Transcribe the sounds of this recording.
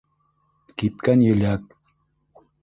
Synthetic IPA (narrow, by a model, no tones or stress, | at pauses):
kit̪kanjeʎak